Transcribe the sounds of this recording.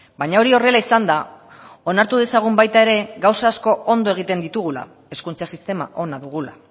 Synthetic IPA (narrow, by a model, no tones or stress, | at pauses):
baɲao̞ɾio̞re̞laisand̪a | o̞naɾt̪uðe̞saɣ̞umbajt̪ae̞ɾe̞ɡawsaːsko̞o̞nd̪oe̞ɣ̞it̪e̞nd̪it̪uɣ̞ula̰ | e̞skunt͡sasist̪e̞ma̰ʔo̞naðuɣ̞ula̰